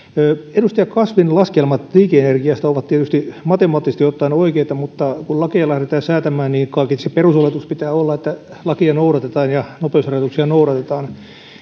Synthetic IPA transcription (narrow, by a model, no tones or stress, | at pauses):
øːedust̪ɑjɑkɑsʋinlɑskelmɑt̪liːkeenerɡiɑst̪æoʋɑt̪t̪iet̪yst̪imɑt̪emɑːt̪ːisest̪iot̪ːɑinoikeit̪ɑmut̪ːɑkullɑkiɑlæhɾet̪æːsæːt̪æmæːnniːnkɑikiseperusolet̪uspit̪æːolːɑet̪ːælɑkiɑnouɾɑt̪et̪ɑːnjɑnopeushɑrjɑt̪uksiɑnouɾɑt̪et̪ɑːn